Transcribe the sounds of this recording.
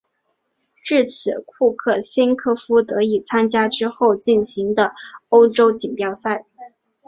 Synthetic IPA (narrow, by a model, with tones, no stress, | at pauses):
ɻɻ̩˥˩t͡sʰɹ̩˨˩kʰu˥˧kʰɤ˥˩ɕɛ˥nkʰɤ˥fu˥t̪ɤ˧˥i˨˩t͡sʰa˥nt͡ɕja˥ʈ͡ʂɻ̩˥xo˥˧ʊt͡ɕi˥˩nɕi˧˥ŋd̪ə˧o˥ʊʈ͡ʂo˥ʊt͡ɕi˨˩ŋpjɑ˥˧ʊsa˥˩ɪ